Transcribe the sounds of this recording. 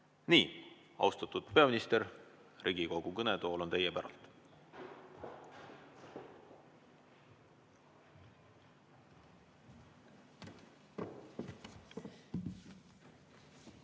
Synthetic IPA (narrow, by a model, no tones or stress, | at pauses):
niː | ɑ̰wst̪ɑt̪ːˑud̪̥pe̞ɑminist̪eɾ | riɡiko̞ɡ̥ukɤnet̪o̞ːlo̞nt̪e̞jepæɾɑ̰lt̪ˑ